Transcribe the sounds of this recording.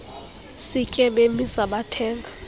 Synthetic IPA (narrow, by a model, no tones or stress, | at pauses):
sikʼɛɓemisaɓatʰɛːŋɡʱa